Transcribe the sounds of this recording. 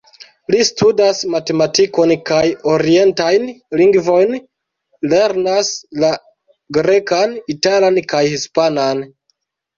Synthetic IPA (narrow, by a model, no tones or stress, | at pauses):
listudasmate̞matiko̞nkajo̞ɾie̞ntajnliŋɡvo̞jn | le̞ɾnasla | ɡɾe̞kanitalankajhispanan